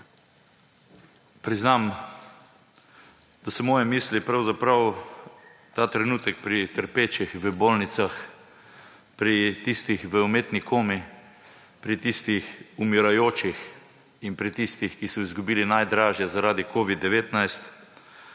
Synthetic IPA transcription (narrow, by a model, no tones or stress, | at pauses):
pɾiznam | d̪̥asɛmɔːjɛmiːslipɾawzapɾaw | t̪aːt̪ɾɛnuːt̪əkpɾit̪əɾpeːt͡ʃixʋəboːlnit̪sax | pɾit̪ist̪ixʋəumeːt̪nikʰoːmi | pɾit̪ist̪ixumiɾajoːt͡ʃix | inpɾit̪ist̪ixkisɔizɡubiːlinajd̪ɾaːʒjɛzaɾaːd̪ikoːʋid̪ːɛʋeːt̪najst̪